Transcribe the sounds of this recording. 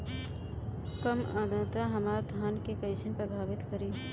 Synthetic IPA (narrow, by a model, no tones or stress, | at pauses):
kəmãːd̪ʱãːt̪aɦɐmaːɾd̪ʱaːnkekəjsənpɾəbʱaːʋɪt̪kəɾiː